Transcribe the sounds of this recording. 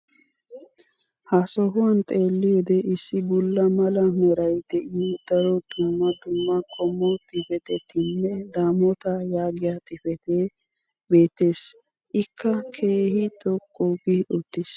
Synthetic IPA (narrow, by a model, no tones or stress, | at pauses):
hasɔɦʊwɐnt̪ʼeːlːɪjɔd̪ɛʔɪsːɪbʊlːɐmɐlɐmɛɾɐjd̪̥ɛʔid̪̥ɐɾɔd̪ʊmːɐd̪ʊmːɐkʼɔmːɔt̪ʼɪfɛt̪ɛt̪ːɪnːɛd̪aːmɔt̪ɐjaːɡɪjat̪ʼɪfɛt̪e | be̞ːt̪ːe̞ːs | ʔɪkʰːɐkʰe̞ːhɪt̪ʼɔkʼːuɡɪʊt̪ːɪs